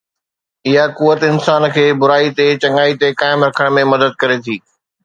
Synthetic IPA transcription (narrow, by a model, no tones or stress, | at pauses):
ɪɦakuʋət̪ɪnsaːnkʰeːbʊɾaːit̪et͡ɕɐ̃ŋɡaːit̪ekaːɪmɾɐkʰəɽ̃mẽmɐd̪əd̪̚kɐɾet̪ʰiː